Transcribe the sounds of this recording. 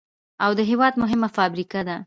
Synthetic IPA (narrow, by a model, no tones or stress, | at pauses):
awd̪əɦewɑd̪mʊɦɪmafɑbɾikad̪a